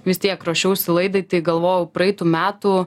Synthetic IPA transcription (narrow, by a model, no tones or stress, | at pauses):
ʋʲɪst̪ʲiɛkɾoːʃʲɛʊsʲɪlˠɐɪd̪ɐɪt̪ɐɪɡɐlˠʋoːjɛʊpɾɐɛɪt̪uːmʲæːt̪uː